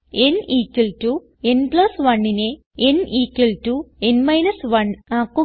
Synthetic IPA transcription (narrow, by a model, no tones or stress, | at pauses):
eniːkːiltu | enplɐsʋɐɳːine | eniːkːiltuenmɐjnɐsʋɐɳakːu